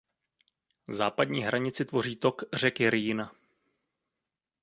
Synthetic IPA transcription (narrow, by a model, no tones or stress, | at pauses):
zaːpadɲiːɦɾaɲɪt͡sɪt̪vo̞r̝iːt̪o̞kr̝ɛkɪɾjɪna